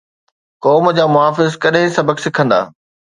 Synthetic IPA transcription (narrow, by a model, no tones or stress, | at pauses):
kɔːmd͡ʑaːmʊɦaːfɪzkɐɗɦɪ̃sɐbəksɪkʰə̃nd̪a̰ː